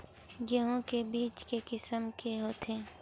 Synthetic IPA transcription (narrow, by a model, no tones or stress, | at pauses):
jəɦõkebiːt͡ʃkekɪsəmkeɦoːt̪ʰeː